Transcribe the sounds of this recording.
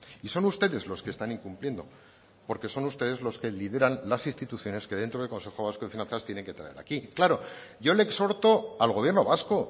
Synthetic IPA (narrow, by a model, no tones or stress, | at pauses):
iso̞nust̪e̞ðe̞zlo̞skest̪aniŋkumplje̞nd̪o̞̰ | po̞ɾke̞so̞nust̪e̞ðe̞zlo̞ske̞lið̞e̞ɾanlasinst̪it̪uθjo̞ne̞ske̞ðe̞nt̪ɾoðelko̞nse̞xo̞β̞askoefinãnθast̪je̞ne̞ŋke̞t̪ɾa̰e̞ɾa̰kiklaɾo̞ʝo̞lekso̞ɾt̪o̞alɣo̞β̞je̞ɾno̞βasko̞